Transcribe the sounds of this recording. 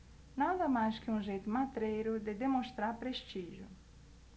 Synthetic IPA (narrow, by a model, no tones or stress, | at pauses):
nãd̪ɐmajskɪũʒejt̪ʊmat̪ɾejɾʊd̪ɪd̪emõst̪ɾaɾpɾest͡ʃiʒjʊ̰